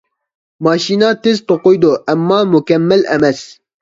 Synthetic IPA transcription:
mɑːʃiːnɑːt̪ezt̪oqojd̪oːʔæmːɑːmʊkɛmːɛlʔɛ̰mɛs

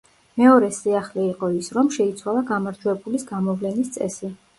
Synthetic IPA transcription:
mɛɔɾɛsiaχlɛiqʼɔisɾɔmʃɛit̪sʰwalˠaɡamaɾd͡ʒwɛbulisɡamɔvlɛnist̪sʼɛ̰si

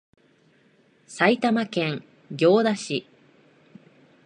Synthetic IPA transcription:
sait̪amakẽ̞ŋ | ɡʲo̞ːd̪aɕi

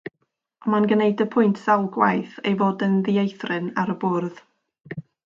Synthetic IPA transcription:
ɔmanɡənejdəpʰʊjntʰsalˠɡwajθḛjvoːdənðiejθrɨnaɾəbʊrð

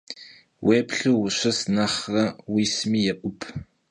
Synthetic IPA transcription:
weːpʰɬuːwʊɕɐsnɐχrɐwiːsmiːjɛʔʷʊpʰ

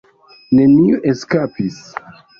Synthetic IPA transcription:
ne̞miʔeskapis

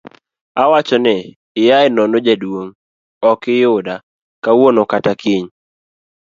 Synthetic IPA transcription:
awat͡ʃɔnɛ | ɪjaɪnɔnod͡ʒadwoŋ | ɔkɪjʊda | kawonokatakʰiɲ

